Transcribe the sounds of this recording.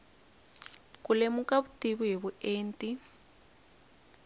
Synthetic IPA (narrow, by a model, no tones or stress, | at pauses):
kulemukaβutiβuɦiβueːntʼi